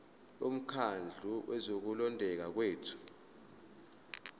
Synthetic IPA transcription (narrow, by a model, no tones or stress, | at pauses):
um̩kʰand͡ɮʱuwʔɛzok̬ulɔndʱɛk̬ak̬weːtʰu̥